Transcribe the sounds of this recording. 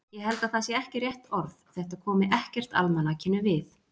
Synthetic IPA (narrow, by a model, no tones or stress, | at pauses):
jɛɦɛlt̪aðθasjɛɛhcɪrjɛht̪ɔɾθθɛht̪akʰɔːmɪʔɛhcɛr̥t̪a̰lmanacʰɪnːʏvɪθ